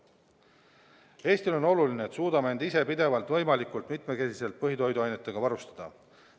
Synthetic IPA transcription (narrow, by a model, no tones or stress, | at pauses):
e̞ːst̪ilo̞no̞lulineːt̪suːd̪ɑmee̞nd̪ise̞pid̪e̞vɑlt̪vɤ̞jmɑlikˑult̪mit̪ˑme̞ke̞sise̞lt̪̚pɤɦit̪o̞jd̪uɑjne̞t̪ːˑe̞ɡ̥ɑvɑɾust̪ɑ̥d̪̥ɑ̰